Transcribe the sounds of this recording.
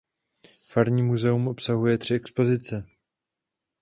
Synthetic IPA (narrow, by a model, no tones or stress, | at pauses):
faɾɲiːmuzɛumʔo̞psaɦujɛt̪r̥ɪɛkspo̞zɪt͡sɛ